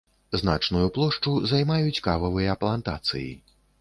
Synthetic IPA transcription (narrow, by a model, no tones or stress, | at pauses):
zna̰t͡ʂnujuplˠɔʂt͡ʂuzajmajut͡sʲkavɐvɨjɐːplˠant̪a̰t̪sɨ̰jḭ